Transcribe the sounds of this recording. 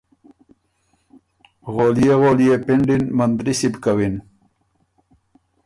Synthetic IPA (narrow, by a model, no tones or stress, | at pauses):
ɣoljeɣoljepiɳɖinmand̪ɾisibkawin